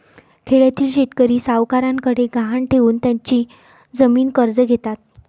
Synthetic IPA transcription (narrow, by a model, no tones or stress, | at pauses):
kʰeɭjat̪iːlɕet̪kəɾiːsaʋkaɾãŋkəɽeɡaɦaɳʈʰeʋuːnt̪jaɲt͡ɕiː | d͡zəmiːnkəɾd͡zəɡʱet̪at̪̚